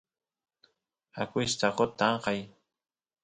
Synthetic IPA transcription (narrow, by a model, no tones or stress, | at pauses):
akɪst̪aqot̪ːɑɴqɑj